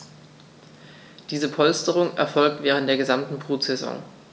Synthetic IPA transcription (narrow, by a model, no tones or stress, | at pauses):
d̥iːzəpʰɔlstəʁʊŋʔɛ̰ɐfɔlk̚tv̥ɛːʁntd̥eːɐɡəzamtn̩bʁ̥uːtz̥ɛzɔ̰ŋ